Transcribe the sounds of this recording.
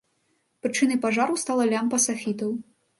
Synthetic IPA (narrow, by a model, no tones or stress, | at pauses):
pɾɨt͡ʂɨnɐjpaʐaɾuwst̪alˠɐlʲampɐsafʲit̪ɐw